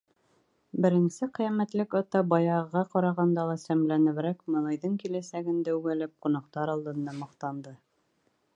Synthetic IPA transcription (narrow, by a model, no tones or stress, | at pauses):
bɘ̆ɾɘ̆nsɘqĭjæmæt̪lɘkɑt̪ɑbɑjɑʁɑqɒɾɑʁɑnd̪ɑlˠɑsæmlænɘ̆βɾækmɤ̆nˠɑjðɤɴkilæsæɡɘ̆nd̪æʉɡælæp̚qunɑqt̪ɑɾɑlˠd̪ɤ̆nd̪ɑmŏqt̪ɑnd̪ɤ